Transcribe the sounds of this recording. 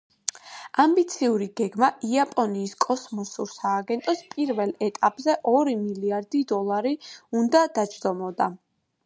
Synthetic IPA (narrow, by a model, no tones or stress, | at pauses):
ambit̪sʰiuɾiɡɛɡmaʔiapʼɔniːskʼɔsmɔsuɾsaːɡɛnt̪ʼɔspʼiɾvɛlˠɛt̪ʼapʼzɛʔɔɾimiliaɾd̪id̪ɔlˠaɾiund̪ad̪̥ad͡ʒd̪ɔmɔd̪a